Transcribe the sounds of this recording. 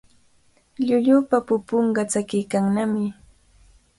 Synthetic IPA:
ʎʊʎʊpapʊpoɴɢɑt͡sakɪjkaŋnamɪ

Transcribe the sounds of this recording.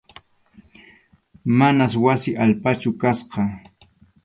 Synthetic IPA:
manaswasɪʔalpat͡ʃʊkasqɑ

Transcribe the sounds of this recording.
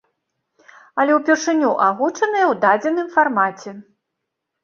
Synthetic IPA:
ɐlʲɛwpʲɛrʂɨnʲuʔaɣut͡ʂɐnɨjɐwd̪ad͡zʲɛnɨmfarmat͡sʲɛ

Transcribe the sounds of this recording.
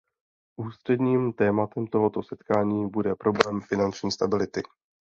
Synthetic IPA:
ʔuːst̪r̝̥ɛdɲiːmt̪ɛːmat̪ɛmt̪o̞ɦo̞t̪o̞sɛt̪kaːɲiːbudɛpɾo̞blɛːmfɪnant͡ʃɲiːst̪abɪlɪt̪ɪ

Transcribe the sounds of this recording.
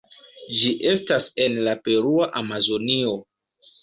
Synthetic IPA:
d͡ʒiʔe̞stase̞nlape̞ɾuaʔamazo̞nio̞

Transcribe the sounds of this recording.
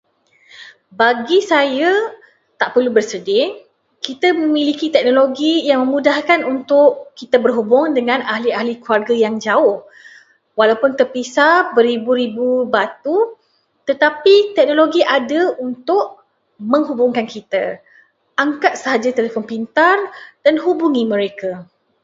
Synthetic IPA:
baɡisajə | t̪aʔpərlubərsədɪ | kit̪əmə̃mĩlikit̪ɛk̚noloɡijaŋmə̃mũdahkanunt̪ʊʔkit̪əbərɦubʊŋdəŋãnaɦliaɦlikuarɡəjaŋd͡ʒaʊh | walawpʊnt̪ərpisabəɾibuɾibubat̪u | t̪ət̪apit̪ɛk̚noloɡiʔadəunt̪ʊʔ | məŋɦubʊŋkankit̪a | aŋkat̪̚səɦad͡ʒat̪əlepʊnpint̪ard̥anɦubuŋimə̃ɾeka

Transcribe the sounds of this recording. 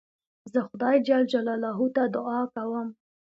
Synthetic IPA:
zəxʊd̪ɑjd͡ʒɑld͡ʒalɑlɑɦut̪ad̪ʊɑkawəm

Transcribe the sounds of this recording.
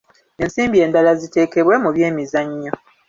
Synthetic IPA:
e̞nsiːmbie̞ːndalazite̞ːke̞βwe̞muβje̞ːmizaɲːo

